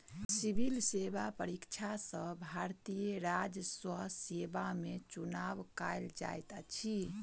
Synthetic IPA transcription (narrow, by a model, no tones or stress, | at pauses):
sibʱilsebapəɾikt͡ʃʰasəbʱaɾt̪ijəɾad͡ʒəswəɦsebamet͡ʃunaʋkajld͡ʒa̰jt̪at͡ʃʰi